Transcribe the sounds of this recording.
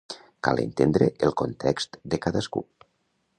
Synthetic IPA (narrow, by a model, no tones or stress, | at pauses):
kalḛnt̪end̪ɾeʔelˠkont̪ʰɛkst̪d̪ekaðəskṵ